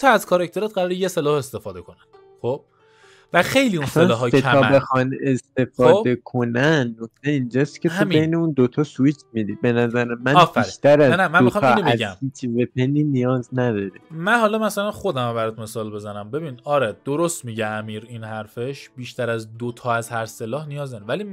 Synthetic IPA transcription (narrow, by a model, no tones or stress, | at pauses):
t̪ʰɒæzkʰɒɾɑct̪ʰe̞ɾɛt̪̚ɢæɾɒːɾejeselɒːhest̪e̞fɒːd̪e̞kʰo̞nænd̪ | χob̥ | væxe̞jliunselɒːɦɒːeæɒːbexɒne̞st̪e̞fɒːd̪e̞kʰo̞nænːok̚t̪ʰe̞ind͡ʒɒːst̪cʰe̞h̪tumbe̞jneund̪ot̪ʰɒsuit͡ʃʰmid̪iːbe̞næzæɾemænːbiɾʃt̪ʰæɾæznæmænotɑmʰieæzmhiːt͡ʃʰive̞pʰeniːnijɒːznæd̪ɒːɾimænhɒlɒmæsælænxo̞d̪æmabæɾɔt̪̚ʰme̞sɒːlbe̞zænæmbe̞biːnɒɾed̪̥oɾost̪miɟeæmiːɾinhæɾfeʃb̥iːʃt̪ʰæɾæzd̪ot̪ʰɒːæzhæɾse̞lɒːhnijɒːznæɾevæli